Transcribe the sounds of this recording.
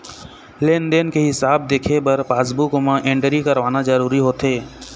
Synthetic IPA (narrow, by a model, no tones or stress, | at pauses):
leːnɖ̪enkeɦɪsaːb̚d̪eːkʰepəɾpaːs̬bukomãʔẽːɳʈɾikəɾʋaːnad͡ʒəɾuːɾiɦoːt̪ɦeː